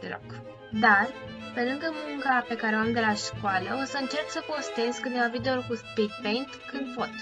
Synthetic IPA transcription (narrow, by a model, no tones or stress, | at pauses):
d̪elo̰k | d̪ar | pe̞lɨŋɡəmuŋkape̞kaɾeoamd̪e̞laʃkoaləo̞səɨnt͡ʃe̞rt̪səpo̞st̪e̞zkɨnevavid̪eorukuspid̪̚pejnt̪kɨnd̪pot̪